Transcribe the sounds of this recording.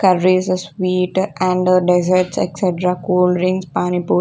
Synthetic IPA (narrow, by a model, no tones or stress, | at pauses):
kɐɾːisəsʋiːʈʔæ̃ɳɖəɖezəɾʈsḛkseʈɾakoːlɾɪ̃ŋspaːnipu